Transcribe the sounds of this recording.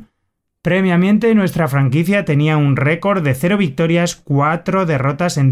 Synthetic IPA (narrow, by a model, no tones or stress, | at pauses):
pɾe̞βjamjẽ̞nt̪e̞nwe̞st̪ɾafɾaŋkiθjat̪e̞niaunre̞ko̞ɾðe̞θe̞ɾo̞β̞ik̚t̪o̞ɾjaskwat̪ɾo̞ðe̞ro̞t̪ase̞n